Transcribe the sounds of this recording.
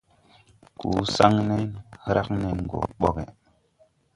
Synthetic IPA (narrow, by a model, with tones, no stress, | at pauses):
ku˨˦sa˦ŋne˦nhɾʔa˦kne˦ŋ˨ɡo̰˨ɓo˦ke˨